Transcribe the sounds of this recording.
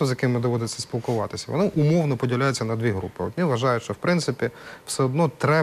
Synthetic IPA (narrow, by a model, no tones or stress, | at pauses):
ɔzʲjɐkɪmːɪd̪ɔʋɔd̪ɪt͡sʲːɐspʲilˠkʊʋɑt̪ɪsʲɐʋɔ̰nɪʔʊmɔwnɔpɔdʲilʲajʊt͡sʲːɐnɐd̪ʋʲiɦɾṵpɪɔ̰t̪nʲiʋɐʒɑjʊtʃt͡ʃɔwpɾɪntsɪpʲiw̥sɛɔd̪nɔt̪ɾɛ